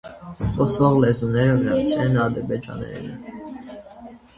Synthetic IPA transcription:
ɔsvɔʁlɛzunɛɾəvəɾɑt͡sʰɛnɑd̪əɾbɛd͡ʒɑ̰nɛ̰ɾḭnə

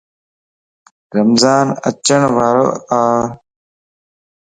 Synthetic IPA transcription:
ɾəmzaːnə̰t͡ʃəɳʋaːɾo̰ːaː

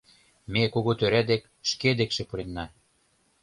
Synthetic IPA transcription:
mekoɣot̪øɾæd̪ek | ʃked̪ekʃĕpuɾenːɑ

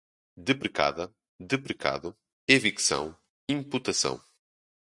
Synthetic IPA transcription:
d̪ɨpɾɨka̰ðɐ | d̪ɨpɾɨka̰ðʊ | eviksɐ̰̃w̃ | ĩmput̪ɐsɐ̰̃w̃

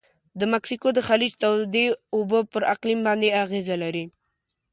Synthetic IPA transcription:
d̪əmaksikod̪əxalid͡ʒt̪awd̪eʊbopəɾaqlimbɑnd̪eaɣezalaɾi

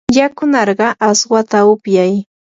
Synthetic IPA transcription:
jakʊnɑɾɢɑʔaswat̪aʊpjaj

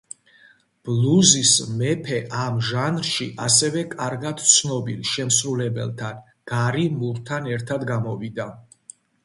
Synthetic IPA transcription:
b̥luzismɛpʰɛʔamʒanɾʃiʔasɛvɛkʼaɾɡad̪̥t̪sʰnɔbilʃɛmsɾulɛbɛ̰lˠt̪ʰan | ɡ̥aɾimuɾt̪ʰanɛɾt̪ʰad̪ɡamɔvid̪a

